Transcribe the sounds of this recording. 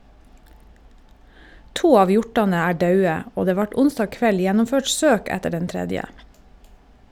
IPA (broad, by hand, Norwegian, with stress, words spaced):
ˈtuː ˈɑːʋ ˈjʊʈɑnə ˈæː ˈɖɑʉə ˈoː ˈdeː ˈʋɑʈ ˈʊnsdɑː ˈkʋɛl ˈjɛnʊmˌføːʈ ˈsøːk ˈɛtə ˈɖɛn ˈtɾɛdjə